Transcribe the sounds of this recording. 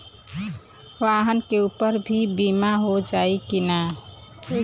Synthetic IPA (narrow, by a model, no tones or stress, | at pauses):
oaɦənkeupəɾbʱibimaɦod͡ʒaikina